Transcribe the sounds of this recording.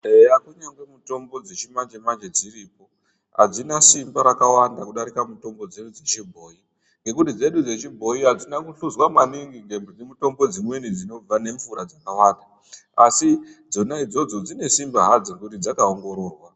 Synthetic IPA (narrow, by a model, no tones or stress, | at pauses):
eakuɲaŋɡwe̞muto̞mbo̞d͡zet͡ʃimand͡ʒemand͡ʒed͡ziriːpo̞ | ɦa̰d͡zinasimbaɾakawandakuɗaɾikamuto̞mbo̞d͡ze̞ɗud͡ze̞t͡ʃibʱo̞ːi | ŋɡe̞kutid͡ze̞ɗud͡ze̞t͡ʃibʱo̞iɦad͡zinakuɬuzwamaniŋɡiŋɡemd͡zemuto̞mbo̞d͡zimwe̞nid͡zino̞b͡vane̞ɱfuɾad͡zakawaːnda | asid͡zo̞naid͡zo̞d͡zo̞d͡zine̞simbaɦad͡zirkutid͡zakaoŋɡo̞ɾo̞ːrwa